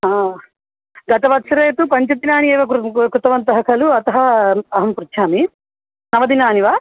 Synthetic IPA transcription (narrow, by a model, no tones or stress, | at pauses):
ɦaː | ɡɐt̪ɐʋɐt̪ːʃɐɾeːt̪upɐɲt͡ʃɐt̪inaːnieːʋɐkkɾut̪ɐʋɐnt̪ɐɦɐkʰɐluɐt̪ɐɦɐɐɦɐmpuɾt̪ʃʰaːmi | nɐʋɐd̪inaːniʋaː